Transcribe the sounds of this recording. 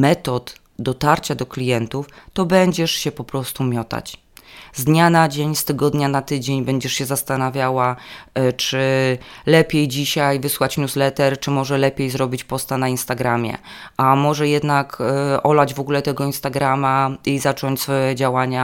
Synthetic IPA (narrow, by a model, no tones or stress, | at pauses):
mɛt̪ɔt̪ | d̪ɔt̪aɾt͡ɕad̪ɔklʲijɛnt̪uft̪ɔbɛɲd͡ʑɛʂɕɛpɔpɾɔst̪umʲjɔt̪a̰t͡ɕ | zd̪ɲanad͡ʑeɲst̪ɘɡɔd̪ɲanat̪ɘd͡ʑeɲbɛɲd͡ʑɛʂɕɛzast̪anavʲjawa | t͡ʂɘlɛpʲjejd͡ʑiɕajvɘswat͡ɕɲʲuslɛt̪ɛɾt͡ʂɘmɔʐɛlɛpʲjejzɾɔbʲit͡ɕpɔst̪anainst̪aɡɾamʲjɛ̰ʔamɔʐɛjɛd̪nakʔɔlad͡ʑvɔɡulɛt̪ɛɡɔinst̪aɡɾamaizat͡ʂɔɲt͡ɕʲsfɔjɛd͡ʑawaɲa